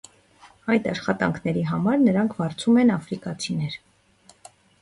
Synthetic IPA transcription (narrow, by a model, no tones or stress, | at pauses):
ɑjt̪ɑʃχɑt̪ɑ̰ŋkʰnɛɾiɦɑmɑɾnəɾɑŋkʰvɑɾt͡sʰumɛnɑfɾikɑt͡sʰinɛɾ